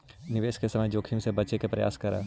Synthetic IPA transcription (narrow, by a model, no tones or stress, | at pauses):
nɪʋeːʃkesɐməjd͡ʒoːkʰɪmsebɐt͡ʃekepɾɐja̰ːskɐɾɛ̰ː